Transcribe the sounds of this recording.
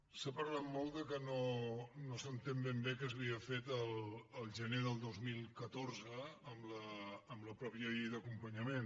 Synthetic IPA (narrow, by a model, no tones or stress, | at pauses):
sapəɾlat̪mɔlˠd̪əkənonosənt̪embembekəzβiəfet̪ələlˠʒəneðəlˠd̪ozmilˠkət̪orzəːmləːmləpɾɔpjəeðəkumpəɲəmen